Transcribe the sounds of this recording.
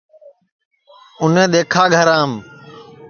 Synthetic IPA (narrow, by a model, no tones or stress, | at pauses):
ʊnẽːɗ̪eːkʰaːɡʱəɾãːm